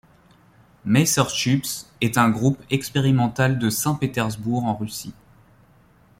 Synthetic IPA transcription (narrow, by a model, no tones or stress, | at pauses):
mɛsœʁʃypsɛt̪ɛ̃ɡʁupɛkspeʁimɑ̃t̪ald̪əsɛ̃pet̪ɛʁzbuʁɑ̃ʁysḭ